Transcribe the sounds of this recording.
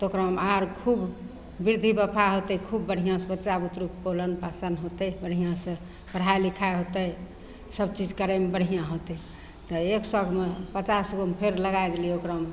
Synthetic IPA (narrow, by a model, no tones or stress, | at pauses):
t̪okɾmaɾkʰub | biɾd̪ʱibəpʰaɦot̪əkʰubːəɽ̤ijãsə̃bəːt͡ʃabut̪ɾukpolənpasənɦot̪ɛbəɽ̤ijãsə̃ | pəɽ̤ajlikʰaeɦot̪əj | səb̚t͡ʃid͡ʒkəɾəmebəɽ̤ijãɦot̪ɛ | t̪ɔeksəɡʱmepət͡ʃasɡompʰeɾləɡajd̪eliokɾam